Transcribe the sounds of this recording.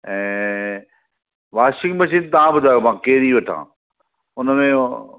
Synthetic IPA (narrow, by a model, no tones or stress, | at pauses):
ɛ̃ː | ʋaːʃɪŋɡmɐʃ̬id̪t̪ɐʋ̤ãbʊd̪ʱaːjomãːkeːɾiʋɐʈʰã̰ː | ʊnəmẽ